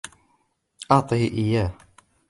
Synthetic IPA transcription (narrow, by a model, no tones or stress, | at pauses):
ʔɑʕt̪ˤɨhiʔɪjːaːh